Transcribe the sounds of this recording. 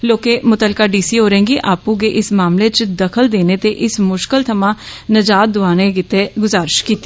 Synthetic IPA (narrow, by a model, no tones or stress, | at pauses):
loːkeːmʊt̪əlkaːɖiːsiːɦoːɾẽːŋɡiʔaːpũɡeʔɪsmaːmleːt͡ʃd̪əkʰəld̪eːneːt̪eʔɪsmʊʃkəlt̪ʰəmãːnəd͡ʒaːt̪̚d̪ʊaːneɡɪt̪eːɡʊzaːɾʃkiːt̪ːi